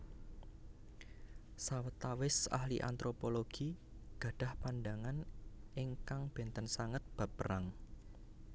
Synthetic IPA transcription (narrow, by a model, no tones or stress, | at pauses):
sawət̪awɪsa̰hliʔa̰nt̪ɾopoloɡ̥iɡ̥a̤ɖ̥a̤hpanɖaŋanɪŋkaŋb̥e̤nt̪ənsaŋət̪̚b̥a̤pəɾaŋ